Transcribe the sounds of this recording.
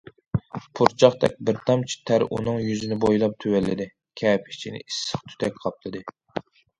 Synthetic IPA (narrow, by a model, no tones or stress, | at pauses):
pʰuɾt͡ʃʰɑχt̪ɛk̚ʲbɪɾt̪ʰɑmt͡ʃʰi̥t̪ʰæɾʔṵnɨŋjyzɪnɪbojlˠɑp̚t̪ʰøwælːɪd̪ɪ | kʲʰɛːpʰɪ̥t͡ʃʰinɪ̰ʔisːəχt̪ʰy̥t̪ʰɛk̚ʲqʰɑp̚t̪ʰˠɨd̪ɨ